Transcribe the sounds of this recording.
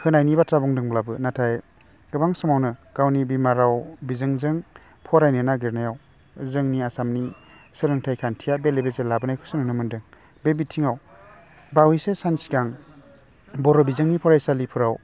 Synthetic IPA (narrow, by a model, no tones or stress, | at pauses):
hʰɯnajnibatɾabɔŋdɯŋblabɯnatʰaj | ɡɯbaŋsɯmawnɯɡ̥awnibimaɾawbizɯŋzɯŋ | pʰɔɾajnɯnaɡiɾnajaw | zɯŋniasamni | sɯɾɯŋtʰajkʰantʰijabelebezelabɯnajkʰɯsɯnɯnɯmɯndɯŋ | bebitʰiŋaw | bawisesansi̥ɡaŋ | bɔɾɔbizɯŋnipʰɔɾajsalipʰuɾaw